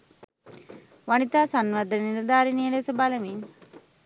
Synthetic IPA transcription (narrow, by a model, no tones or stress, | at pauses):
ʋanit̪aːsanʋad̪niɾəd̪aːɾiniəlesəbalɐmin